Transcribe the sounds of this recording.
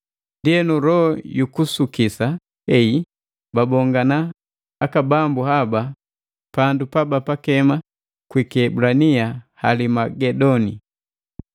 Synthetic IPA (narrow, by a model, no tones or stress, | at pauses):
ndiɛnuɾɔjukusukisa | hɛi | babɔŋɡanaː | kabambuhaba | pandupabapakɛma | kwikɛbulaniaha̰limaɡɛdɔni